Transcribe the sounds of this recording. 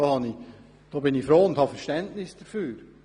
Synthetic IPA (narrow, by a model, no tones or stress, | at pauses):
ohɑnɪ | d̥oːbɪnɪçfɾoːʊnt̪hɑfəɾʃtɛntnɪsd̥əfyːɾ